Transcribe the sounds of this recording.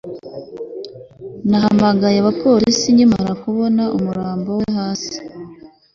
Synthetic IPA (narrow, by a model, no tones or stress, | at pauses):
naɦamaɡajeaβapo̞ɾisiɲima̰ɾakuβo̞naʔumuɾaːmbo̞weɦaːsi̥